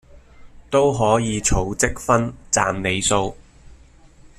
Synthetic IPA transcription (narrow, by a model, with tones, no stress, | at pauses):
t̪o˥wɦɔː˨˥jiː˨˧t͡ʃʰo˨˥wt͡sɪ˥k̚fɐ˥nt͡sa̰ː˨mne˨˧jso˧w